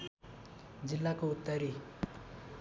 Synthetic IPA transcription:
d͡zilːakout̪ːʌɾi

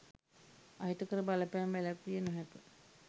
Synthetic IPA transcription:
aɦit̪əkəɾəbaləpæːmʋælakːijənoɦæpə

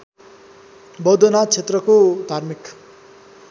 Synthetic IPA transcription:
bʌd̪ʱʌnat͡sʰet̪rʌkod̪ʱarmik

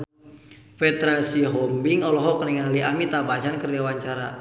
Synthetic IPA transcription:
fɛd̪ɾasiɦɔmbiŋɔlɔɦɔkniŋaliʔamit̪abat͡ʃankərliwaɲt͡ʃaɾa

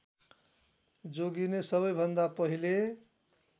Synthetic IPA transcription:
d͡zoɡinesʌbʌjbʱʌnd̪apʌɦile

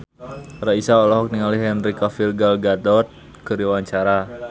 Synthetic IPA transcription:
raisaɔlɔɦɔk̚niŋaliɦɛnrikafilɡalɡad̪ɔt̪̚ | kɨɾiwaɲt͡ʃaɾa

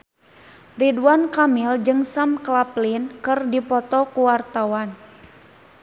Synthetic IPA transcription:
ridankamild͡ʒɨŋsamklaplinkɨrdipɔt̪ɔkuwart̪awan

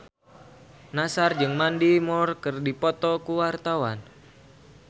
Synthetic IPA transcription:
nasard͡ʒɨŋmandimɔrkɨrdipɔt̪ɔkuwart̪awan

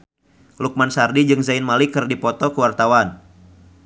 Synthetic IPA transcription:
luk̚mansardid͡ʒɨŋzaɪnmalikɨrdipɔt̪ɔkəwart̪awan

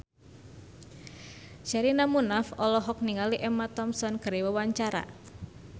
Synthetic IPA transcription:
ʃaɾinamunafɔlɔɦɔk̚niŋaliʔɛmat̪ɔmsɔnkəɾewəwaɲt͡ʃaɾa̰

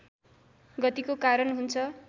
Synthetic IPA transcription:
ɡʌt̪ikokaɾʌnɦunt͡sʰʌ

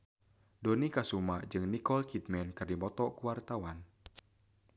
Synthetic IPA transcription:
donikasumaʔd͡ʒɨŋnikɔlkit̪̚mɛnkɨrdimɔt̪ɔkuwart̪awan

